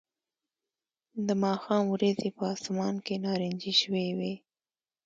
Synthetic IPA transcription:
d̪əmɑxɑmwɾazepəɑsmɑnkenɑɾɪnd͡ʒiʃəwewe

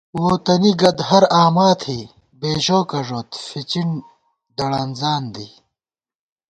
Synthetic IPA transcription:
woːt̪ɐniɡɐd̪ɦɐɾaːmaːt̪ʰhiː | beːʑoːkɐʐoːt̪fit͡ɕiɳ | d̪ɐɽɐnzaːnd̪iː

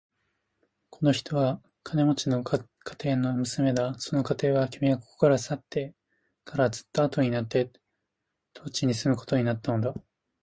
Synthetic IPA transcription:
kʰo̞no̞çi̥t̪ʰo̞βa | kʰane̞mo̞t͡ɕino̞ | kʰḁt̪e̞ːno̞mɯ̟sɨme̞d̪aso̞no̞kat̪e̞ːβakʲimiako̥ko̥kaɾasat̪ːe̞ | kʰaɾazɨ̥t̪ːaːt̪o̞ɲ̟inat̪ːe̞ | t̪ʰoːt͡ɕiɲ̟isɨmɯ̟ko̥t̪o̞ɲ̟inat̪ːano̞d̪a

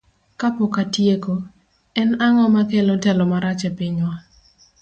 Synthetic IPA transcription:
kapɔkatjeko | ɛnaŋɔmakɛlɔtɛlɔmaɾat͡ʃɛpɪɲwa

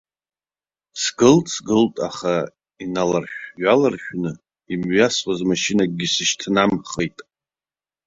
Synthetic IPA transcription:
sɡɨltʰʼsɡɨltʼaχa | inalarχʲᶣɥalarχʲᶣnɨ | imɥasχazmaʃinaɡ̚ɡʲisɨʃtʰnamχejtʼ

